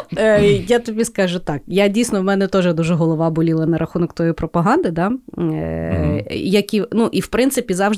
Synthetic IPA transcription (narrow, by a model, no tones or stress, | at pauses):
jat̪ɔbʲiskɑʒʊt̪ɑkjadʲijsnɔwmɛnɛt̪ɔʒɛd̪uʒɛɦɔlˠɔʋɑbʊlʲilˠɐnɐɾʔɐxunɔkt̪ɔjipɾɔpɐɦɑnd̪ɪd̪ɑ | jɐkʲinuʔiwpɾɪnt̪sɪpʲizɑwʒ